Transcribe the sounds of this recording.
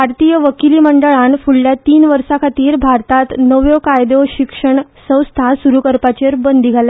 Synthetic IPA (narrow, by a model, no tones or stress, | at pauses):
bʱaɾt̪iːjəʋəkiliːməɳɖəɭanfuɭːjat̪iːnʋəɾsakʰat̪iːɾbʱaɾt̪at̪nəʋjokajd̪oɕikʂəɳsə̃w̃st̪ʰasuɾukəɾpat͡ɕeɾbənd̪ʱiɡʱala